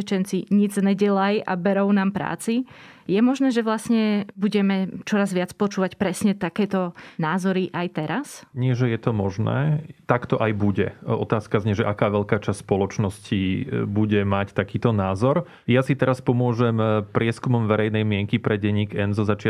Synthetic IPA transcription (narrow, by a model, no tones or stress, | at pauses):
ɛt͡ʃɛnt͡siɲid͡znɛɟɛlajʔa̰bɛɾɔʊnaːmpɾa̰ːt͡sijɛmɔʒnɛːʒɛʋlasɲɛbuɟɛmɛt͡ʃɔɾazʋɪat͡spɔt͡ʃuːʋacpɾɛsɲɛt̪akɛːt̪ɔnaːzɔɾiʔajt̪ɛɾasɲɪɛʒɛjɛt̪ɔmɔʒnɛ̰ːt̪akt̪ɔʔajbuɟɛɔ̰t̪aːskazɲɛʒɛʔakaːʋɛʎkaːt͡ʃast̪spɔlɔt͡ʃnɔscibuɟɛmact̪akiːt̪ɔnaːzɔɾ | jasit̪ɛɾaspɔmʊɔʒɛmpɾɪɛskumɔmʋɛɾɛjnɛjmɪɛŋkipɾɛɟɛɲːiːɡɛnzɔzat͡ʃɪa